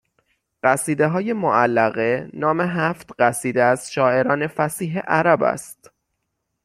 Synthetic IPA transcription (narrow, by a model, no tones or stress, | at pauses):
ɢæsiːd̪eɦɒːje̞moʔælːæɣe̞nɒːme̞ɦæft̪ɢæsiːd̪eæz̥ʃɒːʔe̞ɾɒːne̞fæsiːɦḛʔæɾæːbæ̰st̪